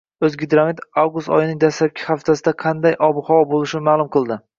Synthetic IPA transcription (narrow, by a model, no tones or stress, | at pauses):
ɵzɡʲɪd̪ɾamit̪avɡust̪ɒ̰jɪnɪŋd̪aslap̚kʲʰɪ̥χaft̪ʰasɪd̪aqʰɑnd̪ajʔɒbʊχɒwɒbolˠɪʃɪnɪmaːlˠʊmqʰɨlˠd̪ɪ